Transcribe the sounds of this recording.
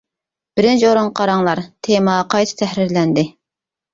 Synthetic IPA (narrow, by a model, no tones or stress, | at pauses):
b̥ɪɾɪnt͡ʃʰoɾoŋqʰɑɾɑŋlˠɑɾt̪ʰemɑqʰɑjt̪ʰɨ̥t̪ʰɛhɾɪɾlɛnd̪ɪ